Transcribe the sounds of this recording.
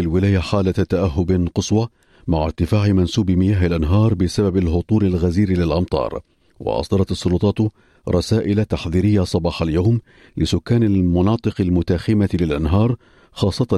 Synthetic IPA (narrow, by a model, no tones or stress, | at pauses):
alwɪlaːjaħaːlat̪aʔaɦːʊbqʊsˤwɑ | maʕaɾt̪ɪfaːʕɪmansuːbmɪjaːɦalʔanɦɑːɾˤbɪsababalhʊt̪ˤuːlalɣaziːɾlɪlʔɑmt̪ˤɑ̰ːɾˤ | wɑ̰ʔɑ̰sˤd̪ɑɾˤɑt̪ɑsˤːʊlʊt̪ˤɑːt̪ | ɾˤɑsaːʔɪlat̪aħðiːɾɪjːasˤɑbɑːħaljawm | lɪsʊkːaːnalmʊnɑːt̪ˤɨqalmʊt̪axɪmalɪlʔanɦɑːɾˤ | xɑːsˤːɑt̪a